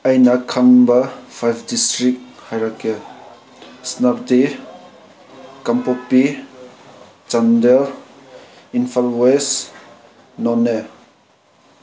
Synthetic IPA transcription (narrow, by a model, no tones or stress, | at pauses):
ajnɐkʰaŋbɐpʰajpʰdistɾik̚hajɾake | snap̚di | kampopːi | t͡ʃandəɾ | inpʰalwes | nɔne